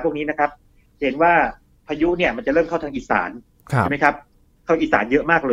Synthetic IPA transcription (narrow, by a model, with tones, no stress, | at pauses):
pʰu˥˩ŋniː˦˥na˦˥kʰa˦˥p̚ | he˩˦nwaː˥˩ | pʰaː˧ju˦˥ʔni˥˩ɐma˧nt͡ɕa˨˩ɾɤː˥˩mkʰa˥˩wt̪ʰaː˧ŋʔiː˨˩sa̰ː˩˦nʰ | i˩˦ma˦˥jkʰa˦˥p̚ | kʰa˥˩wʔiː˨˩sa̰ː˩˦njɤ˦˥ʔmaː˥˩k̚lɤː˧